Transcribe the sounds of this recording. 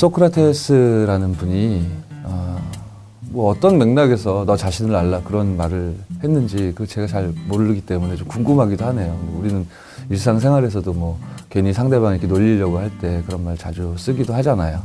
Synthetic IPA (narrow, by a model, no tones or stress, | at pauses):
s͈okʰɯɾatʰes͈ʰɯɾanɯnbuɲia | mwʌʌt͈ʌnme̞ŋnaɡe̞s̬ʰʌnʌt͡ɕaɕʰinɯɾaɭːakɯɾʌnmaɾɯɭhe̞nːɯnd͡ʑikɯt͡ɕe̞ɡat͡ɕaɭmoɾɯɾɯɡit͈e̞mune̞t͡ɕomkuŋɡɯmɦaɡidohane̞jouɾinɯn | iɭs͈ʰaŋsʰe̞ŋɦwaɾe̞sʰʌdomwʌkwe̞ɲisʰaŋde̞βaŋikʰenoʎːiʎːjʌɡohaɭt͈e̞kɯɾʌnmaɭt͡ɕad͡ʑus͈ɯɡidoɦad͡ʑianajo